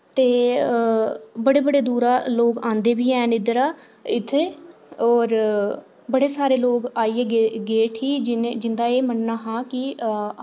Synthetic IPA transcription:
t̪eː | bəɽeːbəɽeːd̪uːɾaːloːkãːnd̪eːbiːɛːnɪd̪ɾaː | ɪt̪ʰːeːɔːɾ | bəɽeːsaːɾeːloːkaːiːeːɡeɡeːʈʰɦiːd͡ʒd͡ʒɪnd̪aːeːmənnaːɦãːkɪ

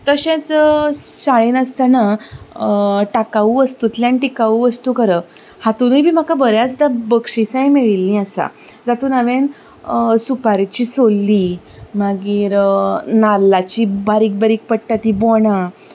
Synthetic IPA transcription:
t̪əɕẽt͡ssaɭinəst̪ana | ʈakaʋuʋəst̪ut̪ljãniʈikaʋuːʋəst̪ukəɾə | hat̪unəbʱiːm̤akabəɾjat͡sd̪abəkʂisãjmeɭilːĩasa̰d͡zat̪uːnaʋen | supaɾt͡ɕiːsolːiː | maɡiːɾnaɾlːat͡ɕiːbaɾiːk̚baɾiːk̚pəɽʈat̪iboɳ̃a

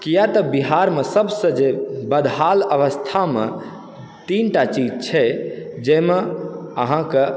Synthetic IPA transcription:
kijat̪əbiɦaɾmesəbsə̃d͡ʒebəd̪ʱɦaləʋəst̪ʰamḛ | t̪inʈat͡ʃid͡ʒt͡ʃʰɛd͡ʒemeə̰ɦãke

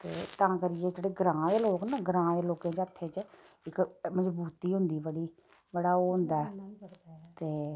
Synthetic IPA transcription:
t̪eːt̪ãːkəɾɪjeːd͡ʒeːɽeːɡɾãːd̪eːloːknaːɡəɾãːd̪eːloːkẽːt͡ʃət̪ʰːeːt͡ʃ | ɪkməzbuːt̪iːɦʊ̃nd̪iːbəɽiː | bəɽaːoːɦʊ̃nd̪aːɛː | t̪eː

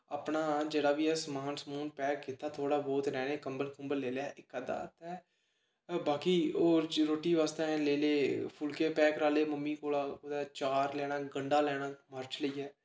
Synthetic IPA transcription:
aːpɳaːd͡ʒeːɽaːʋiːəsmaːnsəmuːnpɛːkkɪt̪ːaːt̪ʰoːɽaːbɔːt̪ɾɛ̃ːnẽːkəmbəlkəmbəlːeːljaːʔɪkːəd̪a̰ːt̪ɛː | baːkiːoːɾoːʈːiːʋaːst̪ẽːɛ̃ːleːleːpʰʊlkeːpɛːkɾaːleːməmːĩːkoːlaːkoːd̪ɛːt͡ʃaːɾlɛːɽ̃aːɡəɳɖaːlɛːɽ̃aːməɾt͡ʃliːɛː

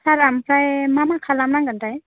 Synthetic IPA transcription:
sʰaɾampʰɾajmamakʰalamnaŋɡantaj

